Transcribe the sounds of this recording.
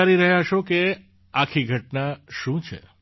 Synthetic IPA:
aɾiɾəɦjaʃoke | akʰiɡʱəʈnaʃũt͡ʃʰḛ

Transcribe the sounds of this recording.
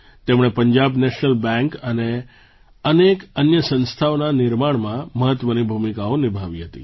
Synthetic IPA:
t̪emɳ̃epəɲd͡ʒabneʃnəlbɛ̃ŋkəne | ənekənjəsə̃nst̪ʰaonanɪɾmaɳmãməɦət̪ʋənibʱumikaonibʱaʋiɦət̪ḭ

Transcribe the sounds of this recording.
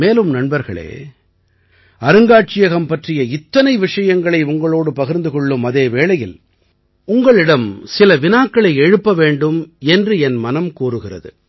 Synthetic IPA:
meːlɯmnɐɳbɐɾɣɐ̰ɭḛː | ɐɾɯŋɡaːʈ̚t͡ʃɪjɐɣɐmpɐʈrɪjɐɪt̪ːɐnɐɪʋɪʂɐjɐŋɡɐɭɐɪʊŋɡɐɭoːɽɯpɐɣɪɾnd̪ɯkɔɭːɯmɐðeːʋeːɭɐjɪl | ʊŋɡɐɭɪɽɐmsɪlɐʋɪnaːkːɐɭɐɪɛɻɯpːɐʋeːɳɖɯmɛndrɯɛnmɐnɐmkuːrɯɣɪrɐ̰ðɯ̰

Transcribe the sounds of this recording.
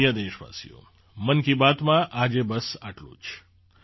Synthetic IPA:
jad̪eːʃʋa̰sḭjo̰ | mənkibaːt̪mãʔad͡ʒebəsaʈlṵ̃t͡ʃʰ

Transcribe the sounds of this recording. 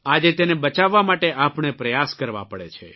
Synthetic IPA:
ad͡ʒet̪enebət͡ʃaʋːamaʈeʔapɳ̃epɾəjaskəɾʋa̰pəɽḛt͡ʃʰḛ

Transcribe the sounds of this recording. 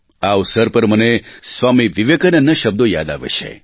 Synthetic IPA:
aʋsəɾpəɾmənesʋamiʋiʋekənənəʃəb̚d̪oja̰d̪a̰ʋḛʃʰḛ

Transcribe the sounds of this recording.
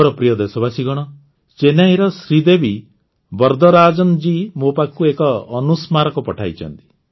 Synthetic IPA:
ɾɔpɾijɔd̪esɔbasiɡɔɽ̃ɔ | t͡ʃenajɾɔsɾid̪ebi | bɔɾd̪ɔɾad͡ʒɔnd͡ʒimopakuekɔːnusmaɾɔkɔpɔʈʰa̰jt͡ʃʰɔ̰nt̪i̥

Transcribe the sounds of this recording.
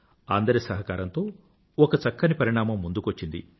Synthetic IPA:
a̰ːnd̪ɐɾisɐɦɐkaːɾɐnt̪o̞ː | ɔkɐt͡ʃɐkːɐnipɐɾiɳaːmɐmːund̪ukʋɐt͡ʃːind̪ḭ

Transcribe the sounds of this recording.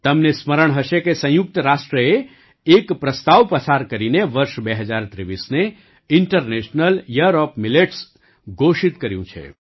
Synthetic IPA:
t̪əmnesməɾəɳ̃ɦəʃekesə̃juk̚t̪əɾaʃʈɾəeː | kpɾəst̪aʋpəsaɾkəɾineʋəɾʃbeɦəd͡ʒaɾt̪ɾeʋisne | ɪɳʈəɾneʃnəljəɾɔpmileʈs | ɡoʃit̪kəɾjṵ̃t͡ʃʰḛ

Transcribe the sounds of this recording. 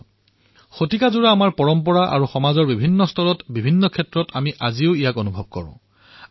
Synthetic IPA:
xotikazuɹaːmaɹpɔɹɔmpɔɹaʔa̰ɹuxɔmazɔɹbibʱinːɔstʰɔɹɔtbibʱinːɔkʰɛtɹɔtʰamiʔaziʊijakonubʱɔb̚kɔ̰ɹʊ̰̃

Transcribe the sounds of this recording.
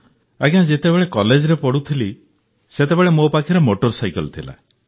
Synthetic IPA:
aɡãd͡ʒet̪ebeɭekɔled͡ʒɾepɔɽut̪ʰili | set̪ebeɭemopakʰiɾemoʈɔɾsajkɔlt̪ʰila̰

